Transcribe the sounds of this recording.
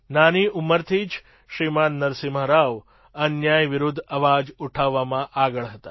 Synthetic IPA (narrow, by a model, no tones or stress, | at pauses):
naniuməɾt̪ʰid͡ʒ | ʃɾimanːəɾsiməɦɾaʋ | ənjajʋɪɾud̪ʱːəʋad͡ʒuʈʰaʋːamãʔaɡəɭɦət̪a̰